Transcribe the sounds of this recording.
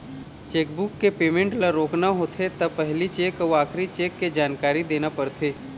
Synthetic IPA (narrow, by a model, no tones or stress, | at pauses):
t͡ʃeːk̚bʊkːepeːmẽɳʈlaɾoːknaɦoːt̪ʰet̪ɐpɛɦlit͡ʃeːkəʋaːkʰɾit͡ʃeːkːed͡ʒaːnkaːɾid̪eːnapəɾt̪ʰeː